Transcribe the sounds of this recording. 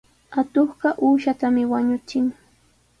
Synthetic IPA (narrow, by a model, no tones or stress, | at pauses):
at̪oχɢɑʔuːʃat̪amɪwaɲʊt͡sɪŋ